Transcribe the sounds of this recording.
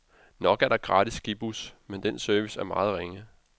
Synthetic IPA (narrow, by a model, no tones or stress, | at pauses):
nɒ̽ɡ̥æɐɾ̥ɑ̈ɡ̥ʁɑ̈ːdisɡ̥ib̥usmend̥ensøɐʋisæɐmɑ̈ːð̞̩ˠʁeŋə